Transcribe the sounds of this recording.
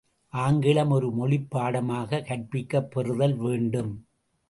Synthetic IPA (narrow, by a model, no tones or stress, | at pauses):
ʔaːŋɡɪɭɐmɔɾɯmɔɭɪpːaːɽɐmaːɣɐkɐʈ̚pɪkːɐpːɛrɯðɐlʋeːɳɖɯm